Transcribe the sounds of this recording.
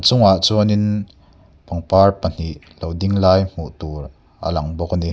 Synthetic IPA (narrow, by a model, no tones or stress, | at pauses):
t͡sʊŋaʔt͡suɐnɪn | pɐŋparpən̥iʔ | lowdiŋlaːjm̥uʔt̪uːr | ʔə̰lɐŋbɔkəni